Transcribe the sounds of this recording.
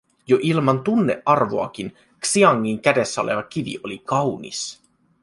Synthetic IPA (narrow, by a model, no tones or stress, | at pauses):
joʔilmɑnt̪unːḛʔɑrʋo̞ɑkin | ksiɑŋːiŋk̟æde̞sːæo̰lḛʋɑk̟iʋḭʔo̞likɑwnḭs